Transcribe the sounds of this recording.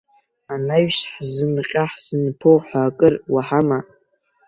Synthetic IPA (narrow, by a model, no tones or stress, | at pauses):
anaɥʃħzɨnqʲʼaħz̥ɨnpʰowħʷaːkʼɨrwaħama